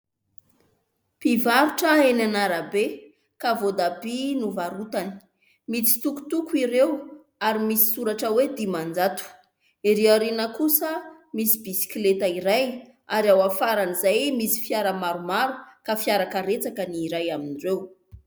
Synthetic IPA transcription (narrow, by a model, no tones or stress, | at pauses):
pivaɾuʈ͡ʂəenanaɾabe | kavod̪abinuvaɾut̪ani̥ | mit͡si̥t̪uku̥t̪ukuiɾew | aɾimisi̥suɾaʈ͡ʂəwed̪imand͡zat̪u̥ | iɾeaɾinəkusə | misibisi̥kʲlet̪aiɾaj | aɾawafaɾanizajmisi̥fjaɾamaɾumaɾukafjaɾakaɾet͡sakəniːɾajaminirew